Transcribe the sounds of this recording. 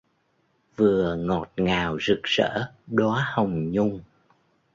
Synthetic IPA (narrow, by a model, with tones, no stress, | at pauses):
vɨ˨˩əŋɔ˨˩t̚ŋaː˨˩wzɨ˨˩k̚z̥ə̰ː˧˥ɗɔ˨˦hə˨˩wŋ͡mɲʊ˧ŋ͡m